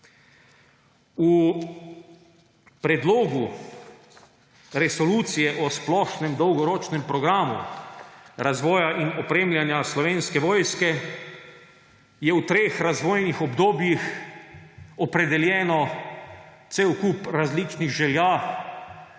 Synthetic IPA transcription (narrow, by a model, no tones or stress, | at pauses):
u | pɾɛd̪loːɡu | ɾɛsɔluːt̪sijɛʔɔsplɔʃnɛmd̪ɔwɡɔɾɔːt͡ʃnɛmpɾɔɡɾaːmṵ | ɾazʋɔːjaʔinɔpɾeːmljanjaslɔʋeːnskɛʋɔːjskɛ | jɛwt̪ɾeːxɾazʋɔːjnixɔbd̪oːbjix | ɔpɾɛd̪ɛljɛːnɔ | t̪sewkupɾazlit͡ʃniɣʒɛljaː